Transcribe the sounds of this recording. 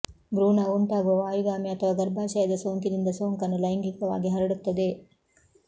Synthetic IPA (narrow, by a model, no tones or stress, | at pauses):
bɾuːnauɳʈaːɡuʋɐʋaːjuɡaːmiɐt̪ʰɐʋaːɡɐɾbʱaːʃɐjɐd̪ɐsoːŋkid̪ind̪ɐsoːŋkɐnːulɐjɐŋɡikɐʋa̰ːɡiɦɐɾɐɽut̪ːɐd̪e